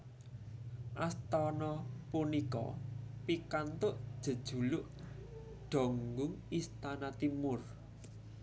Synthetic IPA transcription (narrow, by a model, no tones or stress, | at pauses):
ʔast̪ɔnɔpunikɔ̰pikant̪ʊʔd̥ʒ̥ə̤d̥ʒ̥ṳlʊʔ | ɖ̥ɔ̤ŋɡʊŋist̪anat̪imʊr